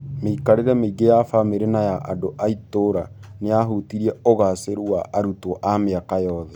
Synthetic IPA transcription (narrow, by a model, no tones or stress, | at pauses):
meikaɾeɾɛmeiɡejafameɾenajaʔa̰doʔaitoɾa | neaɦutiɾiɛoɣaseɾuwaʔːɾutɔʔameakajɔːðɛ